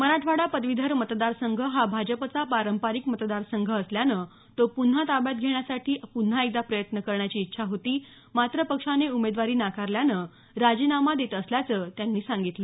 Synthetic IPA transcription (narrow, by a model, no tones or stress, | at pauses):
məɾaʈʰʋaɽapəd̪ʋid̪ʱəɾmət̪d̪aɾsəŋɡʱəɦabʱad͡ʑəpət͡sapaɾəmpaɾikmət̪d̪aɾsəŋɡʱəːsljanəː | t̪opun̤at̪abjat̪̚ɡʱeɳ̃jasaʈʰiːpun̤ːait̪apɾəjət̪nəkəɾɳjat͡ɕiːtːɕʰaɦot̪iː | mat̪ɾəpəkʂaneumed̪ʋaɾiːnakaɾljanəː | ɾad͡ʑiːnamad̪et̪əsljat͡səːt̪janːiːsaŋɡit̪le